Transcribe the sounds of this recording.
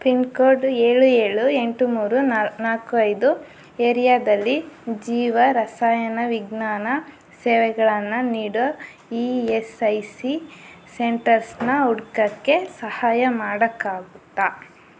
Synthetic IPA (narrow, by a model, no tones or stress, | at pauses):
pinkoːɾɖeːɭueːɭueɳʈumuːɾunaːkuɐjd̪u | eːɾijaːd̪ɐlːid͡ʒiːʋɐɾɐsaːjɐnɐʋiɡnaːnɐ | sɛːʋɛɡɐɭɐnːɐniːɽɐ | iːesɐjsi | seɳʈɐɾsnɐuɽkɐkːe̞sɐhaːjɐmaːɽɐkːaːɡut̪ːaː